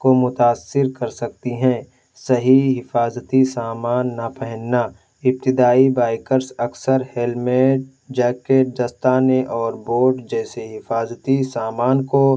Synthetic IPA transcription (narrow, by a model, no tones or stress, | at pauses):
komʊt̪aːsːɪɾkɐɾsɐk̚t̪iɦɛ̃ː | sɐɦiɦɪfaːzt̪isaːmaːnːɐpɛɦə̃nːaː | ɪp̚t̪ɪd̪aːibaːɪkəɾsɐksəɾhelmeːʈ̚ | d͡ʒɛːkeːʈ̚d̪ɐst̪aːneʔɔːɾboːʈd͡ʒɛːseɦɪfaːzt̪isaːmaːnko